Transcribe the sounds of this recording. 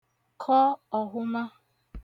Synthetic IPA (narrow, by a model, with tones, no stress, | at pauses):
kʰɔ˦ɔ˨ɦʊ˦ma˦